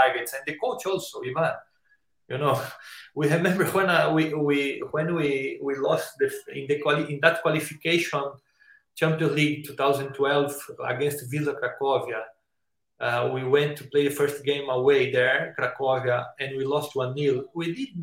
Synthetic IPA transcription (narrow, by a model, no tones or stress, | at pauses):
aɡɨtsɛ̃nd̪ɨkot͡ʃɔlˠsoivãn | junoʊwiɹɛmɛ̃mbə˞hwɛ̃nawiwiwɛ̃nwiwilɔst̚d̪ɨɪ̰̃nd̪ɨkwaliɪ̃nd̪æt̪̚kwalifikeʃɔ̃n | t͡ʃɛ̃mpəliɡ̚tʰuθawzɨ̃ntʰwɛlˠva̰ɡɛ̃nstvizokɾakɔvia | awiwɛ̃nt̪ʰːupleɪðɨfɜɹst̚ɡẽɪ̃məweɪd̪ɛɹkɾakɔvjaɛ̃nwilɔst̚wʌ̃nːilˠwid̪id̪̚